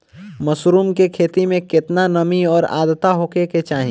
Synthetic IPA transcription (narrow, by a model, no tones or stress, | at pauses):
məsɾuːmkekʰeːt̪imẽkɪt̪nanəmiɔːɾa̰ːd̪t̪aɦoːkeket͡ʃaːɦĩ